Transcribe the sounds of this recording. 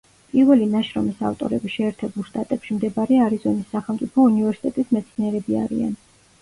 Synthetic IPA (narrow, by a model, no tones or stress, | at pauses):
pʼiɾvɛlinaʃɾɔmisa̰ft̪ʼɔ̰ɾɛbiʃɛːɾt̪ʰɛbulˠʃt̪ʼat̪ʼɛpʃimd̪ɛbaɾɛaɾizɔnisːaχɛlˠmt̪sʼipʰɔunivɛɾsi̥t̪ʼɛt̪ʼismɛt̪sʰniɛɾɛbia̰ɾḭa̰n